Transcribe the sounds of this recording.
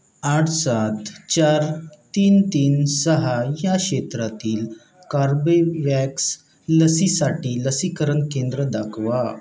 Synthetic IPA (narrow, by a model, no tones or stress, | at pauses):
aʈʰsat̪t͡ɕaɾt̪iːnt̪iːnsəɦajaɕet̪ɾat̪iːl | kaɾbeʋɛks | ləsisaʈiːləsikəɾənkẽnd̪ɾəd̪akʰʋa